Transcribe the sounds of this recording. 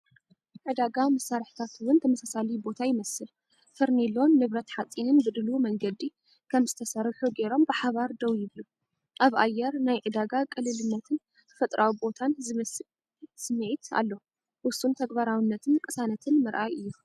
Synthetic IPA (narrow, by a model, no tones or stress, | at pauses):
ʕɨd̪aɡamɐsːaɾħt̪ʰat̪wʊnt̪ʰɐmɐsasalibo̞t̪ʰajɪmɐsɨl | fɨɾnilːomnɨβɾɐt̪ħat͡sʼːinɨnzɨd̪ɨlumɐŋɡɐd̪i | kʰɐmzɨt̪ʰɐsɐɾħuɡe̞ɾo̞mbɨħaβaɾd̪ɐwjɪβlu | ʔaβʔa̰jːɛɾnajʕɨd̪aɡakʼɨlːɨlɨnːɐt̪ʰɨn | t̪ʰɨfɐt̪ʼɾʔawibo̞t̪ʰanzɨmɐsɨl | sɨmːɨʕit̪ʰa̰lːo | ʔʊsːunt̪ʰɐɡbaɾawinːɐt̪ʰɨnkʼɨsanɐt̪ʰɨnmɨɾʔajʔɨjːu